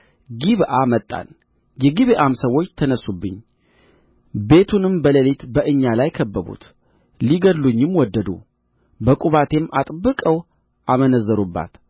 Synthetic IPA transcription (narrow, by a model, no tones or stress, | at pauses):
ɡiβʔamət̪ʼːa̰n | jɛɡiβeʔamsəwo̞t͡ʃːt̪ʰənəsːubːɨɲ | be̞t̪ʰunɨmbələlet̪bəʔɨɲːalajkʰəbːəβṵt̪ | liɡəd̪luɲːɪmwɔd̪ːəd̪ṵ | bəkʼuβat̪ʰe̞mʔat̪ʼbːɨkʼəw | ʔamənəzːəɾubːa̰t̪